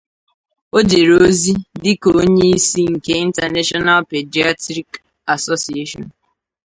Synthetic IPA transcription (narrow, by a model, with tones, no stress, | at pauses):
o˦d͡ʒe˨ɾo˦zi˦dɪ˦ko˨o˦ɲe˦i˦si˦ŋ̩˨ke˦i˦n̩˦ta˨ne˦ʃɔ˦na˦lpe˨d͡ʒi˨˦a˦tɾi˦k | a˨so˦si˨e˦ʃɔ̰˨n